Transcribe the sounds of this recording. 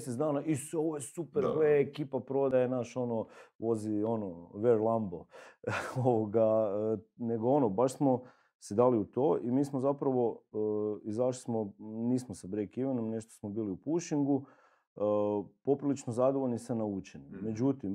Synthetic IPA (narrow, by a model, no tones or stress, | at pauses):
set̪d̪aːnaʔiseo̞ʋojesupeɾɡeekiːpapɾo̞d̪ajenaʃo̞noʋo̞zio̞noʋeɾlˠambo | oʋoɡa | ne̞ɡoo̞nobaʃsmo̞ | sed̪aːliut̪o̞ːʔimiːsmozapɾaʋo̞ | izaʃ̬li̥smoniːsmosabɾekiʋenomne̞ʃt̪osmobiːliupuʃiŋɡu | po̞pɾilit͡ʃnozad̪oʋo̞lnisanaut͡ʃenime̞d͡ʒut̪im